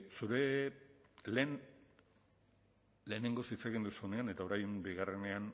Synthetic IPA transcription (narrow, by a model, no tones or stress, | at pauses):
suɾe̞ | len | le̞ːne̞ŋɡo̞sit͡saɣind̪usuone̞ane̞t̪aoɾajembiɣ̞are̞ne̞an